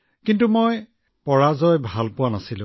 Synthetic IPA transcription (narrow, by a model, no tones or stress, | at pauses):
kintumoj | pɔɹazɔjbʱalpʊwanasilʊ̰̃